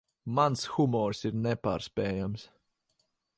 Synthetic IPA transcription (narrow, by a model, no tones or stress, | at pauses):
mansxumɔɾsiɾnɛpa̰ːɾspɛːjams